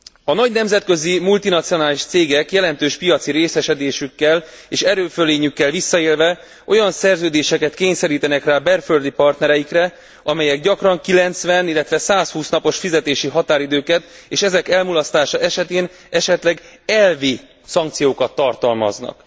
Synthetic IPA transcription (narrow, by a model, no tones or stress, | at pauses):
ɒnɒɟnɛmzɛt̪kø̞zimult̪inɒt̪sijo̞naːliʃt̪seːɡɛkjɛlɛnt̪øːʃpijɒt̪siɾeːsɛʃɛd̪eːʃykːɛl | eːʃɛɾøːføleːɲykːɛlvisːɒeːlvɛ | ʔo̞jɒnsɛrzøːd̪eːʃɛkɛt̪keːɲsɛɾiːt̪ɛnɛkraːbɛrføld̪ipɒrt̪nɛɾɛjikrɛ | ɒmɛjɛɡɟɒkrɒŋkilɛnt̪sʋɛnilːɛt̪ʋɛsaːshuːsnɒpo̞ʃfizɛt̪eːʃiɦɒt̪aːɾid̪øːkɛt̪ | eːʃɛzɛkɛlmulɒst̪aːʃɒʔɛʃɛt̪eːn | ɛʃɛt̪lɛɡɛlvi | sɒŋkt̪sijoːkɒt̪ːɒrt̪ɒlmɒ̰znɒ̰k